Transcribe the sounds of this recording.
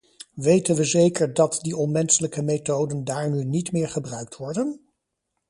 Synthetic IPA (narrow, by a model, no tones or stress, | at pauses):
ʋejtənʋəzejkəɹdɑtdiɔnmɛnsələkəmetowdəndaːɹnynitmɪːɹχəbrœɥk̚tʋɔɹdən